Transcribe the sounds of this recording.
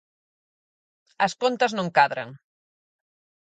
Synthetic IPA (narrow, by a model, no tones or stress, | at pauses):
ɐskont̪əznõŋkaðɾɐ̰ŋ